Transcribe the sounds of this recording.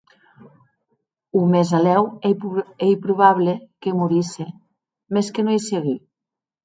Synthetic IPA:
umezalɛwɛɛjpɾuβaβlekemuɾise | meskenoejseɣi

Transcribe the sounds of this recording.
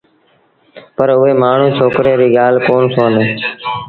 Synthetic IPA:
pəɾʊeːmaːɳ̤ũːt͡ʃʰoːkɾeːɾiːɠaːlkoːnsoːneː

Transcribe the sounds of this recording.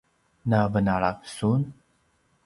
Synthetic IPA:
navənaɭak̚sun

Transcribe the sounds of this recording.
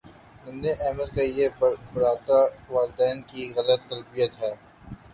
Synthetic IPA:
nʊmneʔɛːməd̪kajebɐɽaːt̪aʋaːlɪd̪ɛːnkiɣɐlət̪ːɐlbijət̪ɦɛː

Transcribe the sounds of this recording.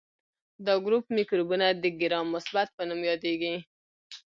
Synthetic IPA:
d̪ɑɡɾupmikɾubunad̪əɡɪɾɑmːʊsbat̪̚pənumjɑd̪eɡi

